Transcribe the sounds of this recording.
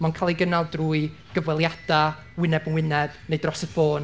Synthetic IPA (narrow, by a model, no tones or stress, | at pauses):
mankʰaːlˠiɡənalˠdruːɨ | ɡ̥əvwɛlˠjad̥a | wɪnɛbənwɪnɛb̥nejdrɔsəfoːn